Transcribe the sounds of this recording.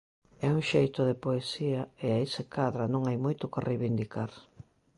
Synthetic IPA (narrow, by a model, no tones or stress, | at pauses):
ɛuŋʃejt̪ʊðepoesiɐeaisɪkaðɾɐnõŋajmojt̪ʊkarejβind̪ikaɾ